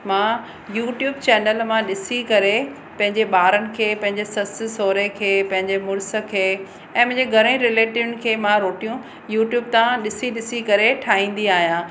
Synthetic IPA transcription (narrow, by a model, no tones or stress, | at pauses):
mãː | juːʈjuːbt͡ɕɛːnəlmãɗɪsikɐɾe | pɐ̃ɦɪ̃ɲd͡ʑeɓaːɾənɪ̆kʰeːpɐ̃ɦɪ̃ɲd͡ʑesɐsɪsoːɾekʰeːpɐ̃ɦɪ̃ɲd͡ʑemʊɾsə̆kʰeː | ɛ̃ːmɐ̃ɦɪ̃ɲd͡ʑeɡʱɐɾə̃ĩɾɪleːʈiʊnɪ̆kʰeːmãɾoːʈijũ | juːʈjuːb̚t̪ãɗɪsiɗɪsikɐɾeʈʰaːɦĩːn̆d̪iaːɦijãː